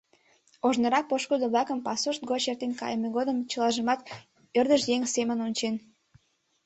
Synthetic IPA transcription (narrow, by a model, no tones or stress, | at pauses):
oʒnəɾɑk̚poʃkud̪əβlɑkəmpɑsuʃt̪̚ɡot͡ɕert̪enkɑ̰jəmeɣod̪əmt͡ɕəlɑʒəmɑt̪ | ørd̪əʃjeŋsemənonʲt͡ɕen